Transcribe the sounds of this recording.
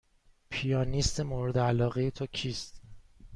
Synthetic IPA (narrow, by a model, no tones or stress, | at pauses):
pʰijɒːnist̪emoːɾed̪eælɒːɣejet̪ʰocʰiːst̪